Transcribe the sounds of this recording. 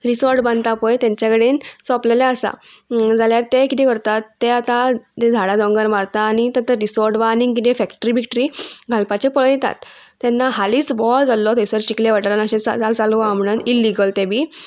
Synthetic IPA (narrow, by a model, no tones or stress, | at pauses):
ɾisɔɾʈbãnd̪t̪apəjt̪ãɲt͡ɕjakeɽeːnsɔpleljaəsa̰d͡zʱaljaɾt̪ekit̪ekəɾt̪at̪ːeat̪at̪ẽd̪ʱaɽad̪ɔ̃ŋɡəɾmaɾt̪aːɽ̃it̪at̪əɾɾisɔɾʈʋaniŋkit̪ẽfɛkʈɾibʱikʈəɾiːɡʱalpat͡ɕepəɭjɛt̪a̰t̪ː | janːaɦaliːt͡sbɔld͡zalːɔt̪esəɾɕikleʋaʈlənəɕẽt͡sa̰t͡salt͡salamɳənilːiɡəlt̪ebʱiː